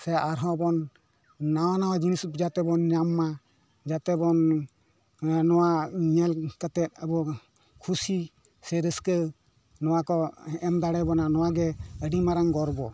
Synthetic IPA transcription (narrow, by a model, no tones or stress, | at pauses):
sɛaɾɦɔ̃bɔnː | awanawad͡ʒinisd͡ʒat̪ɛbɔnːjamːa | d͡ʒat̪ɛbɔn | nɔwaɲɛlkat̪ɛt̪̚abɔ | kʰusi | sɛɾəskə | nɔwakɔɛmd̪aɽɛbɔnanɔwaɡɛəɖimaɾaŋɡɔɾbɔ